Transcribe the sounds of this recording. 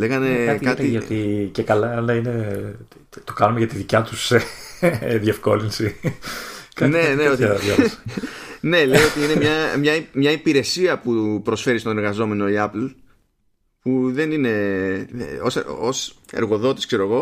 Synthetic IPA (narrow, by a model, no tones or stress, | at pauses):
leɣɐnetkɐt̪iʝɐt̪icekɐlɐnɐine | t̪okɐnumeʝɐt̪iðicɐt̪use | ðje̞fko̞linsi | kɐneneot̪jols | ne̞lejot̪iine̞mɲɐmɲɐimɲɐipiɾe̞siɐpupɾo̞sfe̞ɾist̪o̞neɾɣɐzo̞me̞no̞iɐpl | puðe̞nine̞ | osose̞̰ɾɣo̞ðo̞t̪i̥skse̞ɾoɣo̞